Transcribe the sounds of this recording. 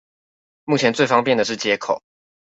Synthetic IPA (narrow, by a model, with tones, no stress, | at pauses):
mu˥˩t͡ɕʰjɛ˧˦nt͡swe˥˩ɪfɑ˥ŋpjɛ˥˨nd̪ə˩ʂɻ̩˥˩t͡ɕjɛ˦˥kʰo˨˩˦